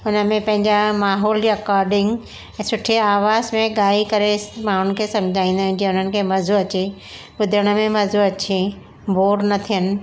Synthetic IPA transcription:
ʊnəmẽpɐ̃ɦɪ̃ɲd͡ʑamaːɦɔːlɾekaːɾɖɪ̃ŋɡ | ɛ̃ːsʊʈʰeaːʋaːzmẽɠaːikɐɾemãːɽ̤ʊnkʰeːsɐ̃md͡ʑʱaːĩːnd̪aːɦɪ̃nd͡ʑẽʊn̤ənɪ̆kʰeːmɐzuɐt͡ɕe | ɓʊd̪ʱəɽ̃ə̆mẽmɐzuɐt͡ɕe | bʱoːɾnɐt̪ʰijənɪ̆

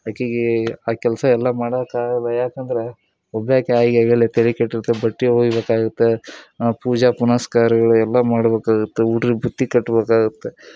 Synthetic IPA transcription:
jaːkeːɡeaːkɛlɐsɐɛlːɐmaːɽɐkaːɡɐlːɐjaːkɐnd̪ɐɾe̞ | ɔbːjaːkeaːjɡaːɡelːet̪elikɐʈːiɾut̪ːebɐʈːiɦoːɡibeːkaːɡut̪ːepuːd͡ʒapunɐskaːɾɐɡɐɭuɛlːɐmaːɽɐbeːkaːɡut̪ːeuːʈɾibʱut̪ːikɐʈːɐbeːkaːɡut̪ːe

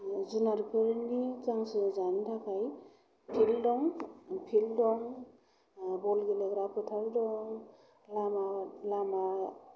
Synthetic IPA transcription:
zunaɾpʰɯɾnizaŋsɯzantʰakʰaj | pʰildɔŋpʰildɔŋ | bɔlɡeleɡɾapʰɔtʰaldɔŋ | lamalama

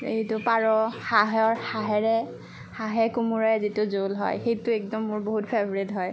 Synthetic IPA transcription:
eitʊpaɹɔxaɦɔɹxaɦɛɹɛ | haɦɛkumuɹɔzitʊzolɦɔ̰jxejtʊɛk̚dɔmːʊɹboɦutpʰɛbɔɹitɦɔj

